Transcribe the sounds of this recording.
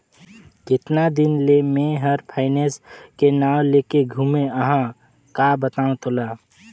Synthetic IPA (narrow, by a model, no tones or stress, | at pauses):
kɪt̪nad̪ɪnlemẽɦəɾpʰaːɪneːskenaːwleːkeɡʱuːmẽəɦã | kaːbət̪aːõt̪ʊlaː